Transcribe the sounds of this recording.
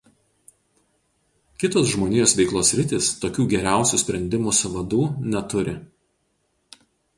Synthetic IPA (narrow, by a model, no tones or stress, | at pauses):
kʲɪt̪oːs̬ʒmoːnʲɪjoːsʋʲɛɪklˠoːsʲɾʲɪt̪ʲiːst̪oːkʲuːɡʲɛɾʲæˑʊsʲuːˑsʲpʲɾʲɛnʲd̪ʲɪmuːsʊʋɐd̪uːnʲɛt̪ʊɾʲɪ̰